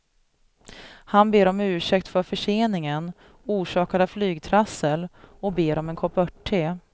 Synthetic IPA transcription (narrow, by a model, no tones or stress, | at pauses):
hanbeːɾɔmʉ̟ːʂɛkt̪fœɾfœʂeːnɪŋən | uːʂɑːkaɾaflyːɡt̪ʰɾasːəlɔk̚beːɾɔmɛnkʰɔpœʈʰːeː